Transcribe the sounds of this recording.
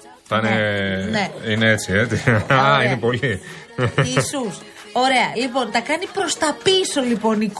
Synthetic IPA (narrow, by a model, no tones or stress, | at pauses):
t̪ɐneneineet͡siet͡s̪iɐinepo̞li | isus | o̞ɾe̞ɐlipo̞nt̪ɐkɐnipɾo̞st̪ɐpiso̞lipo̞nik